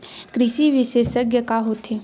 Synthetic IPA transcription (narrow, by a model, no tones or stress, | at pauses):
kɾɪʃiʋɪʃeːʃəɡjəkaɦoːt̪ʰeː